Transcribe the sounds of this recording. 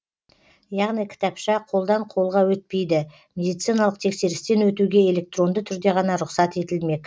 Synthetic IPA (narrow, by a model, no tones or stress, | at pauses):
jɑʁnijkʲʰɪ̥t̪ɑpʃɑqʰo̞lˠd̪ɑɴqʰo̞lˠʁɑwɵt̪̚pe̞jd̪ɪ | mʲe̞d̪ijt̪sijnɑlˠəq̚t̪ʰe̞kse̞ɾɪst̪e̞nwɵt̪uɡʲe̞e̞le̞k̚t̪ro̞nd̪ət̪ʰʏɾd̪e̞ʁɑnɑɾʊqsɑt̪e̞t̪ɪlme̞kʲ